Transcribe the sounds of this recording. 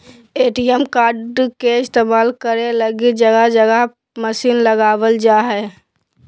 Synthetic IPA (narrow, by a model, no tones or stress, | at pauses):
eːʈiəmkaːɾɖkeɪst̪emaːlkəɾeləɡid͡ʒəɡəd͡ʒəɡə | məsiːnləɡaːʋəld͡ʒaːɦɛ